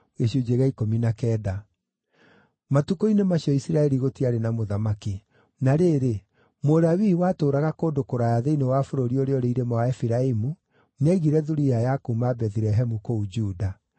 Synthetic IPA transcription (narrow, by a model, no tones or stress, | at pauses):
ɣeɕud͡ʒeɣaikominakɛːda | matukoinemaɕiɔisiɾaɛɾiɣotiaɾenamoðamaki | naɾeːɾe | moɾawiwatoːɾaɣakoːdokoɾajaðeinewafoɾoɾioɾeɔɾeiɾemawaɛfiɾaimu | neaiɣiɾɛðuɾijajakumabɛθiɾɛɦɛmukoud͡ʒuːda